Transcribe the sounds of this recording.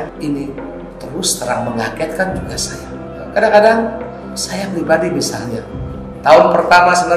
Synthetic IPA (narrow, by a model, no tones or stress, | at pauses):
ini | t̪əɾʊst̪əɾaŋməŋakɛt̪̚kand͡ʒuɡasaja | kadaŋkadaŋ | sajapɾibadibisalɲa | t̪aʊnpərt̪amasənə